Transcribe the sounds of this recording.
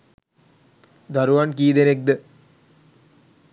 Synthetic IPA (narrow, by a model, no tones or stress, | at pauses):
d̪ʱɐɾuʋaːnkiːd̪enek̚d̪ɨ